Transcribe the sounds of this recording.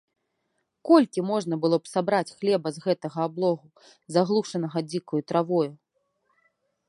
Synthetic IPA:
kɔlʲkʲimɔʐnɐbɨlˠɔpsabɾat͡sʲxlʲɛbɐzɣɛt̪ɐɣɐablˠɔɣu | zaɣlˠuʂɐnɐɣɐd͡zʲikujut̪ɾavɔju

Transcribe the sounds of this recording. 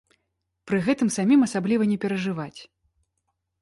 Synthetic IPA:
pɾɨɣɛt̪ɨmsamʲimɐsablʲivɐnʲɛpʲɛɾɐʐɨvat͡sʲ

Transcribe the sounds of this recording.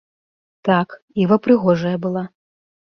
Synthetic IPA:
t̪ak | ivɐpɾɨɣɔʐɐjɐbɨlˠa

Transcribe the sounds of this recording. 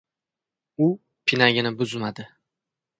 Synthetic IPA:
ʊ | pʰɪnaɡʲɪnɪbʊzmad̪ɪ

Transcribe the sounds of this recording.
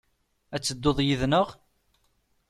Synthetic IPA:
æt͡sːəd̪ːoðˤjiðnəʁ

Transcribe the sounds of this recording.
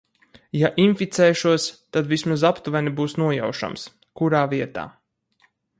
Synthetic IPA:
jaʔinfit̪sɛːʃuɔst̪ad̪vismazapt̪uvɛnibuːsnuɔja̰wʃa̰ms | kuɾaːviɛt̪a̰ː

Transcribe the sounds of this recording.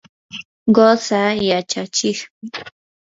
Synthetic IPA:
ɢosajat͡ʃat͡ʃɪχmɪ

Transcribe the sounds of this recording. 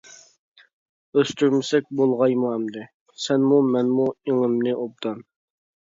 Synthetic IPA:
øst̪ʰyɾmɪsɛk̚ʲbolˠʁɑjmuɛmd̪ɪ | sɛnmumɛnmueŋɪmnɪʔop̚d̪ɑn

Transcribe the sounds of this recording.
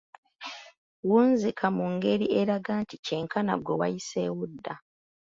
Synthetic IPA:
wuːnzikʰamuŋɡe̞ɾieɾaɡaːntice̞ŋkʰana̰ɡwewa̰jise̞ːwudːa

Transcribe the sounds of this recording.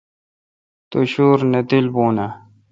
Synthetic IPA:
t̪oɕuːɾned̪ilboːnɐ

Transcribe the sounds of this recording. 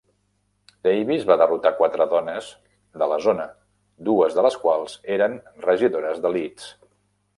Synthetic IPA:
d̪̥ejβizβaðərut̪akwat̪ɾəðɔnəz | ðələzonə | d̪uəzðələskwalˠz̥eɾənrəʒiðoɾəzðəlit͡s

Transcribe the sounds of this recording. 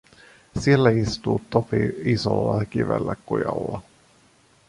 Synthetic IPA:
sielːæist̪uːt̪ːopiiso̰lːɑk̟iʋḛlːækːujɑ̰lːɑ

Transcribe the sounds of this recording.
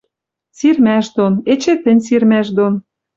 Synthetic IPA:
sirmæʃd̪onet͡ɕĕt̪ɘ̆nʲsirmæʃd̪on

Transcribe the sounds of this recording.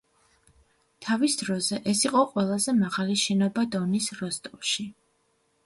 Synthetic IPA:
t̪ʰavisd̪ɾɔzɛʔɛsiqʼɔqʼwɛlˠazɛmaʁaliʃɛnɔbad̪ɔnisɾɔst̪ʼɔlʃi

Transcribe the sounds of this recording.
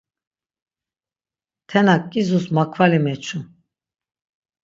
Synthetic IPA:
t̪ʰɛnakʼːizusmakʰvalimɛt͡ʃʰu

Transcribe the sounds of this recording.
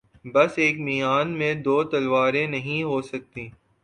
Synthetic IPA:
bɐseːkmijaːnmẽd̪oːt̪ɐlʋaːɾẽnɐɦĩɦoːsɐk̚t̪ĩː

